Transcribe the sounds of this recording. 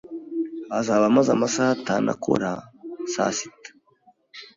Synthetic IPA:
azaβamazamasahatana̰kʰo̰ɾasa̰si̥tḁ

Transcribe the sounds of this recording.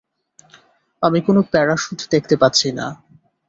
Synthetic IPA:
amikonopɛɽaʃud̪ʱud̪ekʰt̪epatːɕʰina̰

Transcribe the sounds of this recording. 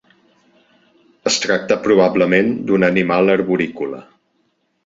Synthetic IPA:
əst̪ɾak̚t̪əpɾuβabləmend̪unənimalˠəɾβuɾikulə̰

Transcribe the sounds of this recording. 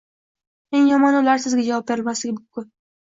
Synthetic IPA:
e̞ŋjɒmɒnʊlaɾsɪzɡʲad͡ʒavɒp̚beɪlmaslɪɡʲɪmʊmkʲʊn

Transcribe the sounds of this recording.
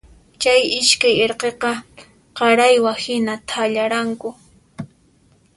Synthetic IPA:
t͡ʃajɪʃkajeɾqeqɑ | qɑɾajwahɪnat̪ʰaʎaɾaŋkʊ

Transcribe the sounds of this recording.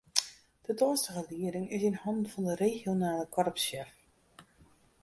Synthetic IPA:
d̥ətɔːstəɣəliəɾɪŋɪsɪnhɔndn̩fɑndəreːxjonaːləkʰɔrpsɛf

